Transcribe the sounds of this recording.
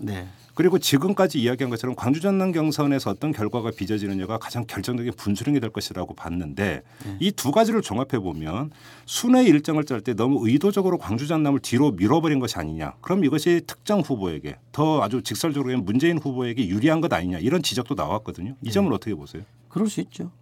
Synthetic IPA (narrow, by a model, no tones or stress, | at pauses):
n | kɯɾiɡot͡ɕiɡɯmk͈ad͡ʑiːjaɡiɦanɡʌt͡ɕʰʌɾʌmkwaŋd͡ʑud͡ʑanːaŋɡjʌŋsʰʌne̞sʰʌːt͈ʌnkjʌɭɡwaɡapid͡ʑʌd͡ʑinɯɲʌɡakḁd͡ʑaŋkjʌɭt͡ɕ͈ʌŋd͡ʑʌɡinpunsʰuɾjeŋidwe̞ɭk͈ʌɕʰiɾaɡopa̰nːɯnde̞̰ | ituɡad͡ʑiɾɯɭt͡ɕoŋapʰe̞bomjʌn | sʰune̞iɭt͡ɕ͈ʌŋɯɭt͡ɕ͈aɭt͈e̞nʌmuɯidod͡ʑʌɡɯɾokwaŋd͡ʑud͡ʑanːamɯɭtiɾomiɾʌbʌɾinɡʌɕʰia̰ɲiɲa̰kɯɾʌmiɡʌɕʰitʰɯ̥k̚t͡ɕ͈ʌŋɸuboe̞̰ɡe̞̰tʌad͡ʑut͡ɕik̚s͈ʌɭd͡ʑʌɡɾoenmund͡ʑe̞inɸuboe̞ɡe̞juɾiɦanɡʌda̰ɲiɲa̰iɾʌnt͡ɕid͡ʑʌk̚t͈ona̰wak͈ʌdɯɲoid͡ʑʌmɯɾʌtʰʌkʰe̞bosʰejo | kɯɾʌs͈uit͡ɕ͈o